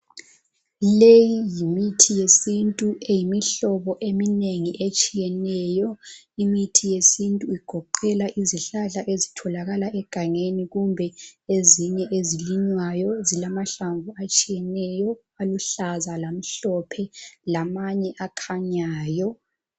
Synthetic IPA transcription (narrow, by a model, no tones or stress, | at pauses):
lejijimitʰijesintʼuejimiɬɔβɔʔemineŋiʔet͡ʃʼijɛnɛjɔ | imitʰijesintʼuiɡ̥ʱɔǃɛlaʔiziɬaɮaʔezitʰɔlaɣalaʔɛɡ̥ʱaŋeniɣumbʱɛeziɲɛʔeziliɲwajɔzilamaɬaɱvuat͡ʃʼijɛnɛjɔ | aluɬazalam̩ɬɔpʰɛlamaɲɛʔakʰaɲaːjɔ